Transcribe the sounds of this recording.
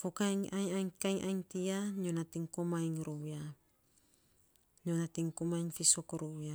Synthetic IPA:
fokaŋaɲajŋkaiŋʔajŋt̪iaɲonat̪iŋkomajŋɾoja | ɲonat̪iŋkomajŋfisokoɾoja

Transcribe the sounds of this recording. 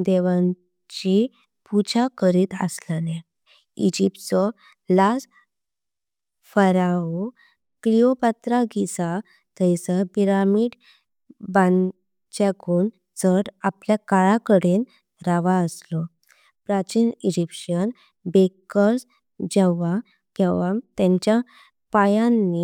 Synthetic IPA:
d̪eʋãn | t͡ɕi | put͡ɕakəɾiːt̪ə̰sləne | id͡ʑip̚t̪t͡sɔ | las | fəɾao | kliopat̪ɾaɡisa | t̪əjsəpiɾamiːɖ | bãn | t͡ɕaɡuːn | t͡səʈapljakaɭakəɽen | ɾaʋaəslɔ | pɾat͡ɕinid͡ʑipɕən | bekəɾs | d͡ʑɛʋa | kɛʋat̪ãɲt͡ɕja | pajanːi

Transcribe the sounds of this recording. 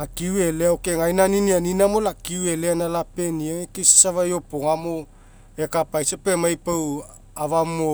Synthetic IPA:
akiueleaokeŋajnaninianinamolakiueleanalapeniaŋekisḁsavajo̞poŋamo̞ | ekapajsapemajpaw | avamo

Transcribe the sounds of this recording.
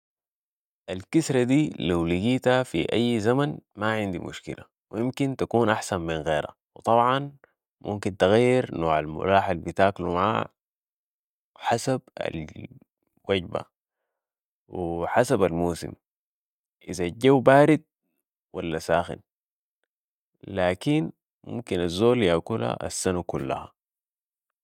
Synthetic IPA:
ʔalkisɾˤad̪iːlawliɡiːt̪hafḭʔajːzamanmaʕɪnd̪imʔṵʃkḭla̰ | wijimkint̪akuːnʔaħsamːminɣeːɾha̰ | wɪt̪ˤɑbʕɑn | mʔṵmkint̪aɣajːɪɾnoːʕalmʊ̰laːħalbit̪aːklumaʕa̰ː | ħasab̚a̰l | waɟba̰ | wiħasabalmuːsḭm | ʔizaɟːawbaːɾid̪̚ | walːasaːxḭn | laːkin | mṵmkinazːoːljaːkula̰ʔa̰sːanakulːa̰ha̰

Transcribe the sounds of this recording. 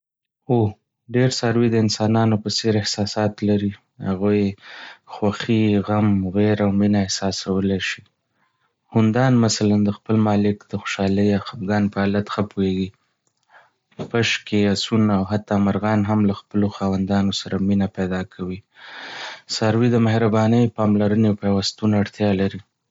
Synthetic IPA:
o | ɖeɾsaɾwid̪əɪnsɑnɑnopəseɾɪhsɑsɑt̪laɾi | ha̰ɣuj | xwaxiɣamɣeɾawminaɪhsɑsawəleʃi̥ | hʊnd̪ɑnmasaland̪əxpəlmɑlɪkd̪̥əxo̥ʃɑləjɑxapɡɑnpəalat̪xəpoeɡi | paʃkeasunawɦat̪ːɑmaɾɣɑnɦamlaxpəloxɑwand̪ɑnosaɾʔaminapajd̪ɑkʰawi | saɾwid̪əmahɾabɑnəjpɑmlaɾəneawpawast̪unaɽt̪jɑlaɾi

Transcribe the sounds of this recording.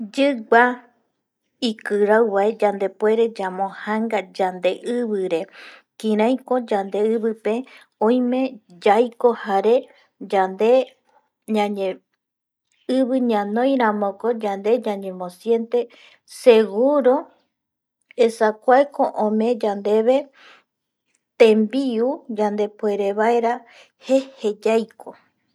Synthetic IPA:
d͡ʒɨɡ͡ba | ikɨɾawβaed͡ʒand̪e̞pwe̞ɾe̞d͡ʒamõhaŋɡad͡ʒand̪e̞ʔɨβɨɾe̞kĩɾ̃ãj̃kõ̞d͡ʒand̪e̞ɨβɨpe̞ | õj̃mẽd͡ʒajko̞haɾe | d͡ʒand̪e̞ | ɲãɲẽ | ɨβɨɲãnõ̞jɾamõko̞d͡ʒand̪e̞ɲãɲẽ̞mõsje̞nt̪e̞ | se̞ɡuɾo | esakʷaekoʔõmẽ̞d͡ʒand̪e̞βe̞ | t̪ẽmbiud͡ʒand̪e̞pe̞ɾe̞βaeɾa | hehed͡ʒajkʰo

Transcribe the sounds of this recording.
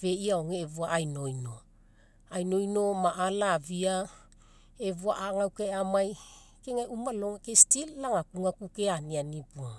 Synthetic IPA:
ve̞iaoŋeːvuaʔajno̞jno̞ | ajno̞jno̞maʔalavia | e̞vua̰ʔaŋawkajamaj | keŋajumaloŋakestilːaŋakuŋakukeanianipua

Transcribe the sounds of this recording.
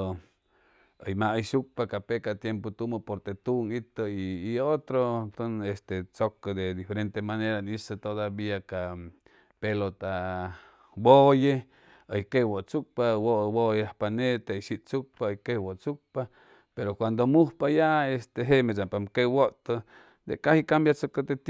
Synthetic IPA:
o | əjmaʔəjʃuk̚pakapekat̪jempot̪umopoɾt̪et̪uŋit̪oiːot̪ɾot̪onest̪et͡sokad̪ed̪ifeɾent̪emaneɾaniset̪oðaβiaka | pelot̪a | boje | ajkewot͡suk̚pawoʔbojahpanet̪aiʃiʔt͡suk̚paojkewoʔt͡suk̚pa | peɾokwand̪omuhpajaest̪eɦeʔmesapamkewoʔt̪o | d̪ḛkahikambjat͡sokad̪et̪

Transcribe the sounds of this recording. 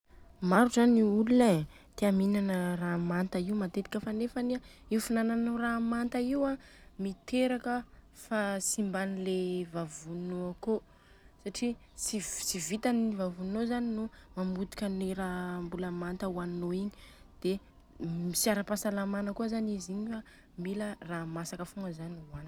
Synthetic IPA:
maɾuzaniulune | t̪eaminanəramant̪aiumat̪et̪i̥kʲəfanefaniaiufinananuramant̪aiwa | mit̪eɾakə | fasimbanilevavunoako | saʈ͡ʂi | sisivit̪aniivavunnːozaninumamut̪i̥kʲəniɾambuləmant̪əwannoiɲid̪̥e | misiaɾəpasalamanəkuəzaniziɲifa | miləramasakəfuŋɡəzanwan

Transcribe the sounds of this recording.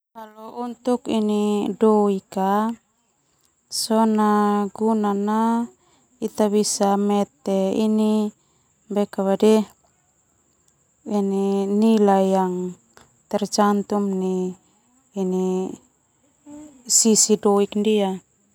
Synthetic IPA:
alount̪ukinidoika | sonaɡunana | it̪aβisamɛt̪eini | bɛkaβadɛ | ininilajaŋ | t̪ɛrd͡ʒant̪umniː | ni | sisidoikndia

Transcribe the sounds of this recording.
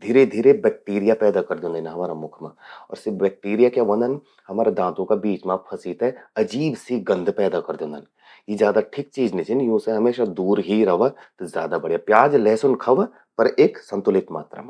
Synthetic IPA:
d̪ʱiːɾed̪ʱiːɾebɛːk̚ʈiːɾijapɛːd̪akɐɾd̪õːnd̪enaɦɐmaːɾamʊkʰmã̰ːɔ̰ːɾsebɛːk̚ʈiːɾijakjaʋɐ̃nd̪ən | hɐmaːɾed̪ãːt̪õkabiːt͡ʃmãpʰɐsiːt̪ɛɐd͡ʒiːbsiɡɐ̃nd̪pɛːd̪akɐɾd̪õːnd̪ən | jezjaːd̪aʈʰik̚t͡ʃiːd͡ʒnit͡ʃinjũːseɦɐmeːʃad̪uːɾɦiɾɐʋat̪zjaːd̪abɐɽijapjaːd͡ʒlɛɦsʊnkʰɐʋa | pɐɾeːksɐ̃nt̪ʊlɪt̪ma̰ːt̪ɾə̰m

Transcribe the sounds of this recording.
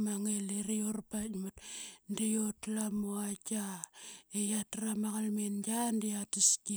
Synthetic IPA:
maŋeleɾijorpatmatndijotlamoaka | ejatɾamaɣalmenɡandiatiski

